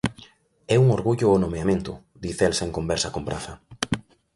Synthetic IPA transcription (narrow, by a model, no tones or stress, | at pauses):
ɛuŋoɾɣuʎʊonomeamẽnt̪ʊ | d̪iθelseŋkombɛɾsɐkombɾa̰θɐ